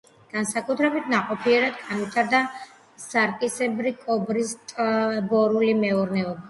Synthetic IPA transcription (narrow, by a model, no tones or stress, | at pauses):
ɡ̥ansakʼut̪ʰɾɛbit̪ʰnaqʼɔpʰiɛɾad̪ɡanwit̪ʰaɾd̪a | saɾkʼisɛbɾikʼɔbɾist̪ʼbɔɾulimɛɔɾnɛɔba